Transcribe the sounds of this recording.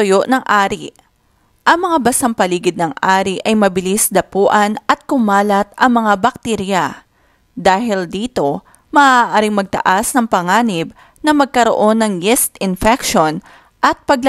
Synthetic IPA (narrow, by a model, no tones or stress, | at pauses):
ʊjoʔnɐŋʔaːɾi | ʔɐŋmɐŋabɐsɐŋpɐliːɡɪd̪̚nɐŋʔaːɾiʔɐjmɐbɪlisd̪ɐpuːʔɐnʔɐt̪̚kʊmaːlɐt̪ʔɐŋmɐŋabɐk̚t̪iɾjɐ | d̪aːɦɪld̪iːt̪o̞ | mɐʔaʔaːɾɪŋmɐɡ̚t̪ɐ̰ʔasnɐŋpɐŋaːnɪb̚ | nɐmɐɡ̚kɐɾo̰ʔo̞nːɐŋjɛst̪ɪnfɛkʃon | ʔɐt̪̚pɐɡ̚l